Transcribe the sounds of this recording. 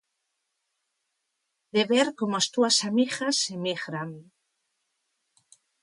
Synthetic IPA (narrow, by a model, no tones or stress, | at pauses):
d̪eβeɾkomoast̪uasamiɣasːemiɣɾaŋ